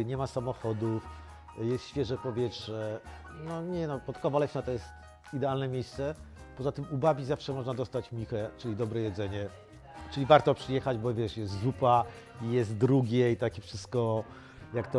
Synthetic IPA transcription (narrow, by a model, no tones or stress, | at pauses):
ɲɛmasamɔxɔd̪uf | jɛst̪ɕfʲjɛʐɛpɔvʲjɛtʂɛ | nɔɲɛnɔpɔt̪kɔvalɛɕnat̪ɔjɛst̪ | id̪ɛalnɛmʲjejst̪sɛ | pɔzat̪ɘmubavʲizafʂɛmɔʐnad̪ɔst̪at͡ɕmʲixɛt͡ʂɘlʲid̪ɔbɾɛjɛd̪zɛɲɛ | t͡ʂɘlʲivaɾt̪ɔpʂɘjɛxad͡ʑbɔvʲjɛʂjɛst̪zupa | ijɛst̪d̪ɾuɡʲɛit̪akʲifʂɘst̪kɔ | jakt̪ɔ